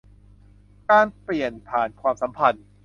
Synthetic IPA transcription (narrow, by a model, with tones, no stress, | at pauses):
kaː˧npli˨˩ənpʰaː˨˩nkʰwaː˧msa˩˦mpʰa˧n